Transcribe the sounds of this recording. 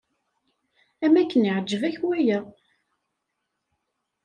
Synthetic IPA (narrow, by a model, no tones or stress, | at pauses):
æmækːənəʕəd͡ʒːəvæçwæjæ